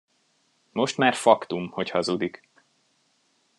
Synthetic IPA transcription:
mo̞ʃt̪maːrfɒkt̪umho̞chɒzud̪ik

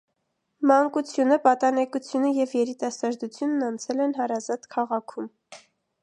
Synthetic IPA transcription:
mɑŋkut͡sʰjunəpɑt̪ɑnɛkut͡sʰjunəjɛvjɛɾit̪ɑsɑɾd̪ut͡sʰjunːɑnt͡sʰɛlɛnɦɑɾɑzɑt̪kʰɑʁɑkʰum

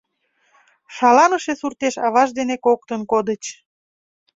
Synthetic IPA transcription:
ʃɑlɑnəʃesurt̪eʃɑβɑʒd̪enekok̚t̪ənkod̪ət͡ɕ

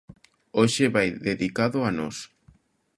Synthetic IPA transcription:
oʃeβajðeðikaðʊanɔs

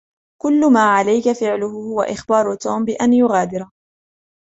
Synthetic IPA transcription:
kʊlːʊmaːʕalajkafɪʕlʊhʊhʊwa̰ʔɪxbɑːɾˤʊt̪uːmbɪʔanjʊɣaːd̪ɪɾ

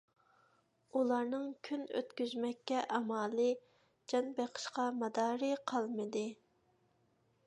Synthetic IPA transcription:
ulˠɑɾnɨŋkʲʰynø̰t̪kʲyzmɛkʲːɛʔɑmɑːlˠɨ | d͡ʒɑnbeqʰə̥ʃqɑmɑd̪ɑːɾɨqʰɑlˠmɨd̪ɨ

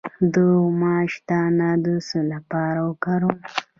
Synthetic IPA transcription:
d̪umɑːʃt̪anad̪usulapɑɾawəkaɾu

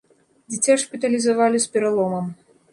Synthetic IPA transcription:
d͡zʲit͡sʲaʂpʲit̪ɐlʲizavalʲispʲɛɾalˠɔmɐm

